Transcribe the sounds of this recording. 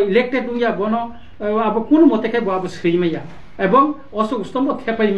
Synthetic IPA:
ilek̚ʈed̚uŋjabɔnɔ | abɔkunɔmɔt̪ekʰajbɔabɔsɾimaja | ebɔŋ | ɔsɔust̪ɔmbɔt̪ʰɛpaɾim

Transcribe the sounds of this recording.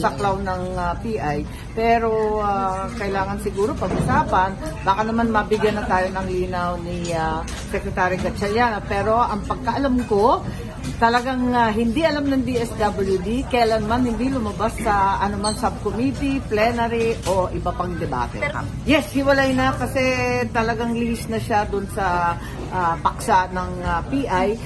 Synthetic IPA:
sɐklawnɐŋɐpiːʔaj | pɛːɾo̞akɐɪlaːŋɐnsɪɡuːɾo̞pɐɡʔʊsaːpɐnbaːkɐnɐmanmɐbɪɡjɐnːɐt̪aːjo̞nɐŋliːnawnɪa | sɛkɾɛt̪aːɾɪɡɐt͡ʃɛljaːnopɛːɾo̞ʔɐŋpɐɡ̚kɐʔɐlamko̞ | t̪ɐlɐɡaŋɦɪnd̪iʔɐlamnɐŋd̪iʔɛsd̪abɐljʊd̪ikɐjlanmanhɪnd̪ilʊmɐbasːɐʔɐnomansɐb̚komit̪iplɛnɐɾiʔo̞ʔɪbapɐŋd̪ɛba̰ːt̪ɛ̰ | jɛshɪwɐlajnɐkɐsɛt̪ɐlɐɡaŋlɪhɪsnɐʃad̪ʊnsɐ | ʔapɐksaʔnɐŋɐpiʔaj

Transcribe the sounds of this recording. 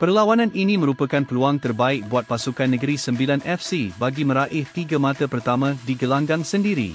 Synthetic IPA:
pərlawanãninĩmə̃ɾupakanpəluaŋt̪ərbaɪk̚buat̪̚pasukanːə̃ɡəɾisəmbilanʔɛfsibaɡimə̃ɾaʔɪht̪iɡamãt̪apərt̪amãdiɡəlaŋɡaŋsəndiɾḭ

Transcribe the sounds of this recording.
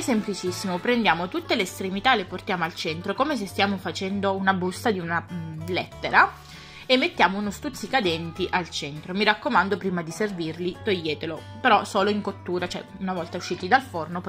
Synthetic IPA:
semplit͡ʃisːimopɾend̪jaːmot̪ut̪ːeleːst̪ɾemit̪aleport̪jaːmoalt͡ʃɛnt̪ɾokomes̬est̪jaːmofat͡ʃɛnd̪ounabust̪ad̪iunalɛ̰t̪ːeɾa | emːet̪ːjaːmounost̪ut̪sːikad̪ɛnt̪iʔalt͡ʃɛnt̪ɾomiɾakːomand̪opɾiːmad̪iservirlit̪ojːeːt̪elo | peɾɔsoːloiŋkot̪ːuːɾat͡ʃoɛ̰unavɔlt̪auʃːiːt̪id̪alfornop

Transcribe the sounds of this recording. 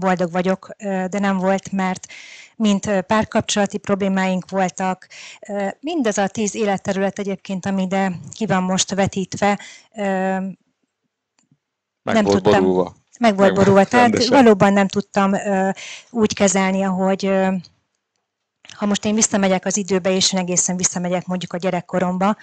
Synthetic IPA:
bo̞ld̪o̞ɡʋɒɟo̞køːd̪ɛnɛɱvo̞lt̪mɛrt̪mint̪ːpaːrkɒp̚t͡ʃo̞lɒt̪ipro̞bleːmaːjiŋkʋo̞lt̪ɒkː | mind̪ɒzɒt̪iːzeːlɛt̪ːɛɾylɛt̪ɛɟeːp̚keːnt̪ɒmid̪ɛkivɒmːo̞ʃt̪ʋɛt̪iːt̪ʋɛ | ø | nɛmt̪utb̪ːṵ | mɛɡvo̞ldɡbo̞ɾulvɒt̪ɛɦat̪vɒloːbɒnːɛmt̪ut̪ːɒmøːuːckɛzɛlniɒɦo̞ɟ | hɒmo̞ʃt̪eːɱvisːɒmɛɟɛkɒzid̪øːbɛeːʃeːnɛɡeːsɛɱvisːɒmɛɟɛkmo̞ɲɟukɒɟɛɾɛkːo̞ɾo̞mbɒ

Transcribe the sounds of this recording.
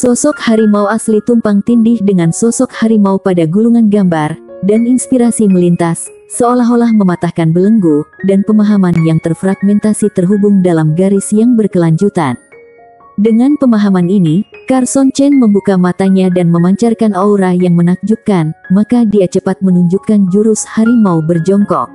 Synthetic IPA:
sɔsɔkhaɾimawaslit̪umpaŋt̪indɪhdəŋansɔsɔk̚haɾimaupadaɡuluŋanɡambardaninspiɾasiməlint̪asː | əolaɦolahməmat̪ahkanbələŋɡudanpəmaɦamanjaŋt̪ərfɾaɡ̚mɛnt̪asit̪ərɦubuŋdalamɡaɾɪsjaŋbərkəlaɲd͡ʒut̪a̰n | dəŋanpəmaɦamaninikarsɔnt͡ʃɛnməmbukamat̪aɲadanməmaɲt͡ʃarkanauɾajaŋmənak̚d͡ʒukanmakadiat͡ʃəpat̪̚mənuɲd͡ʒukand͡ʒuɾushaɾimaubərd͡ʒɔŋkɔ̰k̚

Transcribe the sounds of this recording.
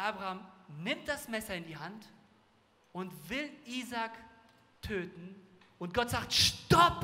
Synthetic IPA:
ʔaːbʁahaːmnɪmt̚d̥asmɛsɐɪndiːɦant | ʔʊntv̥ɪlʔiːzaːk | tʰøːtn̩ʊnt̚ɡ̥ɔtz̥aːk̚tʃtɔp

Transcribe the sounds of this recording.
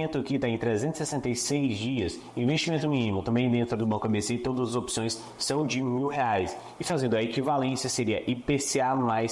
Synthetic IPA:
nt̪ʊkɪt̪ãẽj̃t̪ɾezẽnt̪ʊ̥sesẽnt̪ɐjsejzd͡ʒiɐs | ĩvest͡ʃimẽnt̪ʊmĩnimʊt̪ɐ̃mbẽj̃d̪ẽnt̪ɾʊd̪ʊbãwkɐbeset̪od̪ɐzɐzopsõj̃sː | ɐ̃w̃d͡ʒɪmiwɦeajs | ɪfazẽndʊɐekivalẽsjɐseɾiɐʔipeseamajs

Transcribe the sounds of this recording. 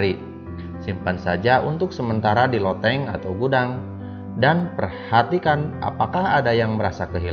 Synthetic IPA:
ɾi | simpansad͡ʒaʔunt̪ʊksəmənt̪aɾadilot̪ɛŋa̰t̪awɡudaŋ | danpərhat̪ikanʔa̰pakahadajaŋbəɾasakəɦil

